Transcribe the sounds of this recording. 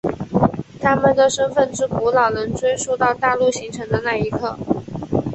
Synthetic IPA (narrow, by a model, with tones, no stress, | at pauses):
t̪ʰa˥mə˨nd̪ə˩ʂə˥nfə˥˩nʈ͡ʂɻ̩˥ku˧˥lɑ˨˩ʊnə˧˥ŋt͡swe˥ɪʂu˥˧ʊt̪ɑ˥˧ʊt̪a˥˧lu˥˩ɕi˧˥ŋʈ͡ʂʰɤ˧˥ŋd̪ə˧na˥˩i˧˥kʰɤ˥˩